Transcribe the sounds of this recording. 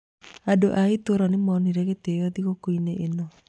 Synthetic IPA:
adoʔaitoɾɔnemɔniɾɛɣeteɔðiɣokoineʔenɔ

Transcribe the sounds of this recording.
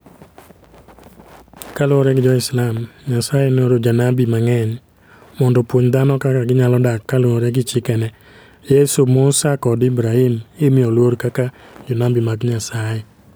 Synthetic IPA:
kaloɾɛɡɪd͡ʒɔɪslamɲasajenoɾod͡ʒanabimaŋɛɲ | mɔndɔpwoɲd̪anɔkakaɡɪɲalɔdakːalwoɾɛɡɪt͡ʃɪkɛnɛ | jesomosakɔdɪbɾaimɪmɪɔlwoɾkakad͡ʒɔnabimaɡɲasajɛ

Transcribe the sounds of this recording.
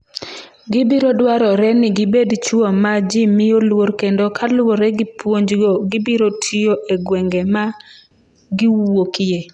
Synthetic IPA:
ɡɪbɪɾodwaɾɔɾɛnɪɡɪbedt͡ʃwomad͡ʒɪmɪjolworkendokʰalʊwoɾɛɡɪpwoɲd͡ʒɡoɡɪbiɾotʰioʔeɡwɛŋɡɛma | ɡɪwokɪje

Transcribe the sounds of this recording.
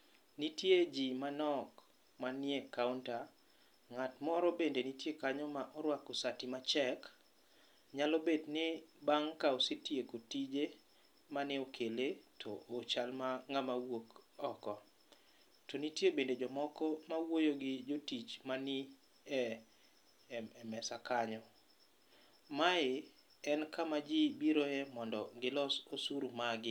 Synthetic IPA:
nitjed͡ʒimanɔk | manjekawnta | ŋatmɔɾɔbendenitjekaɲɔmaʔɔɾwakːosatimat͡ʃɛk | ɲalɔbednɪbaŋkaosetjekotid͡ʒe | manɪokʰeletʰɔ̰ʔot͡ʃalmaŋamawokɔkɔ | tonitjebended͡ʒɔmɔkɔmawojoɡɪd͡ʒotit͡ʃmani | ɛ | ɛmɛsakaɲɔ | maɪ | ɛnkamad͡ʒibiɾoemɔndɔɡɪlɔsosuɾumaɡɪ

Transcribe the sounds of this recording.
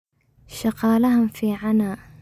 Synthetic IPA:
ʃɑqɑːlɐɦʊmfiːʕanaː

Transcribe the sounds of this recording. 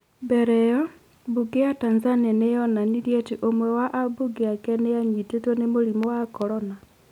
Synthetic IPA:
bɛɾɛjɔ | buɡejatanzanianejɔnaniɾjɛtiʔomwɛwaʔabuɡeakɛnejaɲitetwɛnemoɾimɔwakɔɾɔna

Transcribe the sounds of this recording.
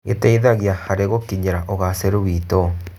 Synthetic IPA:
ɣetɛiðaɣjahaɾeɣokiɲeɾaʔoɣaseɾowiːtɔ

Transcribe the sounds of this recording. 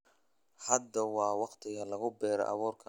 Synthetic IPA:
hɐd̪ːɐwɑːwɑqt̪ʰɪɣɐlɐɣʊbɛːɾɛ̰ʔɑ̰βuːrkʰɐ

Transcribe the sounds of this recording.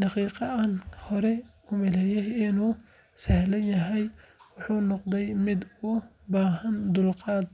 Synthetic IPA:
dɑqiːqɑʔɐnhɔɾɛ | ʊmɛlɛjɛjɪnuː | sɛhlɐnjɐɦɛjwʊħuːnɔqd̪ɛjmɪd̪ʊ | baːɦɐnd̪ʊlqɑːd̪

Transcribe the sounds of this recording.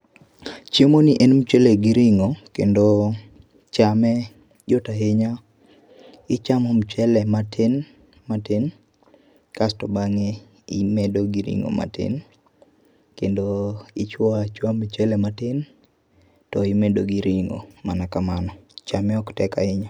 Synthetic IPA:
t͡ʃemoniʔenmt͡ʃeleɡiɾiŋokḛndo | t͡ʃamɛ | d͡ʒotaɦeɲa | ɪt͡ʃamomt͡ʃɛlɛmatʰen | maten | kastɔbaŋe | imɛdoɡiɾḭŋo̰ma̰tɪ̰n | kendoit͡ʃwɔat͡ʃwamt͡ʃɛlɛmaten | tɔimedoɡiɾiŋo̰manakamanɔt͡ʃamɛɔktɛkaɪɲa

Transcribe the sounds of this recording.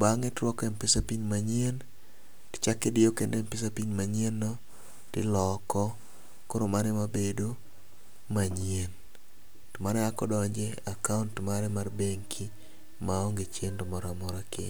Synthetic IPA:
baŋɛtɾwɔkɛmpɪsapiɲmaɲien | tɪ̥t͡ʃakedɪjokendempɪsapiɲmaɲenːɔ | tɪlɔkɔ | koɾomanɛmabedo | maɲien | tomanɛakɔdɔɲd͡ʒeakauntmaɾɛmarbeŋkʰi | maɔŋɡet͡ʃendomɔɾamɔɾakɪ

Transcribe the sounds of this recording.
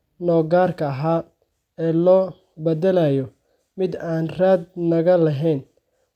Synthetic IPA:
nɔːɡaːrkʰɐɐɦaː | ɛːlɔː | bɐd̪ɐlaːjɔ | mɪd̪aːnraːd̪̚nɐɣɐlɐɦɛn

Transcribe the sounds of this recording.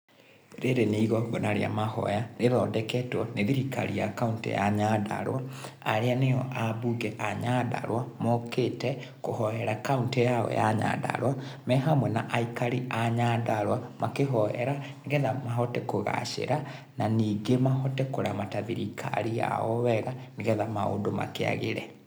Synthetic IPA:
ɾeɾeneiɣɔɡɔnaɾḛa̰mahɔ̰janeðɔdɛkɛtwɔneðiɾika̰ɾijakauntḛjaɲada̰ɾwaːɾeaneɔʔabuɡɛʔaɲada̰ɾwamɔketɛ | kohɔjɛɾakauntejaɔ̰jaɲa̰da̰ɾwamɛɦamwɛnaʔaikaɾiaɲadaɾwamakeɦɔhɛ̰ɾaneɣɛðamaɦɔtɛkoɣa̰ʃḛɾa | naniːɡemaɦɔtɛkoɾamataðiɾikʰa̰ɾija̰ɔwɛɣaneɣɛðamao̰doma̰kḛa̰ɣḛɾɛ̰

